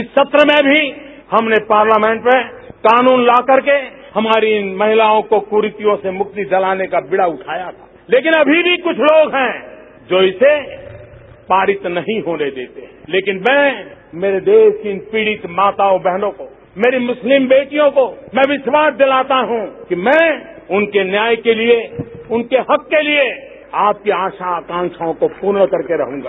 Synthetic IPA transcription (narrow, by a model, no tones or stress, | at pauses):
ɪsːɐt̪ɾəmẽbʱi | hɐmnepaːɾlaːmɛ̃ːɳʈmẽ | kaːnuːnlaːkəɾke | hɐmaːɾinmɐɦɪlaːõkokʊɾɪt̪ijõsemʊk̚t̪id͡ʒɐlaːnekabɪɽaʊʈʰaːjat̪ʰḁːleːkɪnɐbʱibʱikʊt͡ʃʰloːɡɦɛ̃ː | d͡ʒoːise | paːɾɪt̪nɐɦĩɦoːned̪eːt̪eɦɛ̃leːkɪnmɛ̃ːmeːɾed̪eːʃkipiːɽɪt̪maːt̪aobɛɦnõko | meːɾimʊslɪmbeːʈijõkomɛ̃ʋɪʃwaːsd̪ɪlaːt̪aɦũkimɛ̃ʊnkenjaːjkelieʊnkeɦɐkːelie | aːp̚kiaːʃakãːŋʃaõkopuːɾɽkɐɾkeɾɐɦũːɡa̰ː